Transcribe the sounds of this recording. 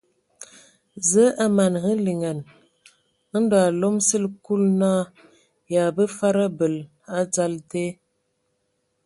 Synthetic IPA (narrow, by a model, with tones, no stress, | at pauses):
zə˨˦ʔa˨ma˨nɣə˦li˨ŋa˨n | ə˦n˦dɔ˨a˨lo˦msə˦lku˦lnaː˦ | ja˨bə˦fa˦ɾa˦bə˨l | a˦d͡za˦lte˦